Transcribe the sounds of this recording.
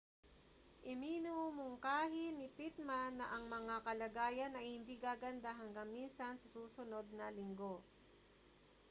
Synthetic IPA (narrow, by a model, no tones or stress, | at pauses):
ʔɪmiːnʊmoŋkaːɦɪnɪpit̪̚manːɐʔɐŋmɐŋakɐlɐɡaːjɐnɐjhɪnd̪iɡaːɡɐnd̪aɦɐŋɡɐŋminsɐnsɐsuːsʊno̞d̪̚nɐlɪŋɡo̞